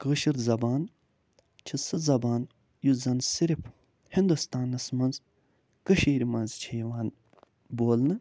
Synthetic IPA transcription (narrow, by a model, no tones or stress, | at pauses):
kəːʃiɾzɐbaːn | t͡ʃʰisɨzɐbaːn | juzɐnsiɾipʰ | hind̪ust̪aːnɐsmɐnz | kəʃiːɾimɐnzt͡ʃʰeːʋaːn | boːlnɨ